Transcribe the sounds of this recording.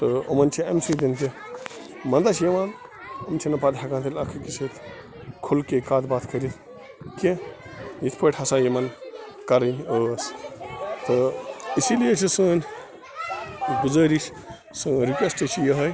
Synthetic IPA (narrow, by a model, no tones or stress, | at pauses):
t̪ɨo̰mɐnt͡ʃʰiɐmsʰujd̪int̪ʰi | mɐnd̪ɐt͡ʃʰjɐʋaːn | ɐmt͡ʃʰinɐpaːd̪ɦɐkaːnt̪ʰilʲɐkʰɐkiset̪ | kʰulkekaːt̪baːt̪ʰkɐɾit̪ | kẽjit̪ʰpɐʈʰhɐsaːjimɐn | kɐɾɐnəs | t̪ɨisilijet͡ʃʰisəːnʲ | ɡuzɐːɾiʃ | sɨɾikʋesʈɐt͡ʃʰijɐɦɐj